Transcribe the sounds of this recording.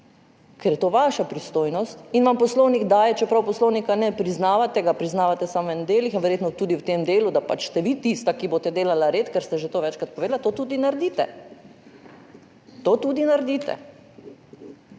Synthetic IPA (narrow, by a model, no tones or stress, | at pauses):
kɛɾjɛt̪oːʋaʃapɾist̪oːjnɔst̪inʋampɔslownikd̪aːjɛt͡ʃɛpɾawpɔslownikanɛpɾiznaːʋat̪ɛɡapɾiznaːʋat̪ɛsamʋɛnɛd̪eːlixinʋɛɾjeːt̪nɔt̪uːd̪iwt̪emd̪eːlud̪apa̰t͡ʃst̪ɛʋit̪ist̪akiboːt̪ɛd̪eːlalaɾeːt̪kɛɾst̪ɛʒet̪oːʋɛt͡ʃkɾat̪̚pɔʋeːd̪lat̪ot̪uːd̪inaɾd̪iːt̪ɛ̰ | t̪oːt̪uːd̪inaɾd̪it̪ɛ̰